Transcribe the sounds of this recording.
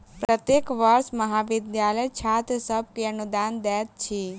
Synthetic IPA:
pɾət̪jekʋəɾsmɐɦaːʋɪd̪jaːləjt͡ʃʰaːt̪əsəb̚kiɐnud̪aːnd̪ɛːt̪̚t͡ʃʰi

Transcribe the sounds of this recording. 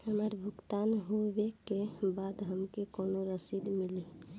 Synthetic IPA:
həməɾbʱukt̪anɦobekebad̪ɦəmkekonoɾəsid̪mili

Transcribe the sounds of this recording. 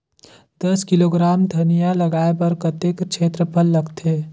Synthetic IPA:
d̪ɐskɪloːɡɾaːmd̪ʱɐnijalɐɡaːepəɾkət̪ekt͡ʃʰeːt̪ɾəpʰəlːəɡt̪eː

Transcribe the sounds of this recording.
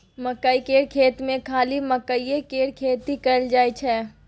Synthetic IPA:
mɐkəikeːɽkʰeːt̪mẽkʰaːlimɐkəijekeːɽkʰeːt̪ɦikɐld͡ʒaːjt͡ʃʰɛː

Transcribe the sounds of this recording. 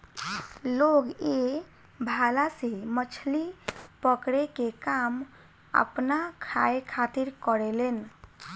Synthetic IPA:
loɡe | bʱalasemət͡ʃʰlipəkɽekekam | ə̰pnakʰaekʰat̪iɾkəɾelen

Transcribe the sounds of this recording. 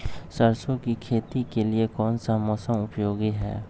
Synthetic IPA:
sɐɾsõkikʰeːt̪ikeliekɔːnsamɔːsə̃mʊpjoːɡiɦɛ̰ː

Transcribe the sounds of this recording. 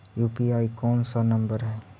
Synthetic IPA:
juːpiaːikɔːnsanɐ̃mbəɾɦɛː

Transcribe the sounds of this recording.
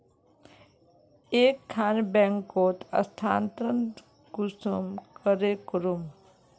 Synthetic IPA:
eːkʰːaːnbɛŋkot̪ə̰st̪ʰaːnt̪ɾənt̪ | ɡusumkəɾekɾum

